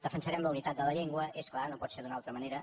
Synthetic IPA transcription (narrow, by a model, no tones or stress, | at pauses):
d̪̥əfənsəɾɛmləunit̪at̪̚d̪ələʎeŋɡwəʔesklanopɔt̪seɾd̪unalˠt̪ɾəməneɾə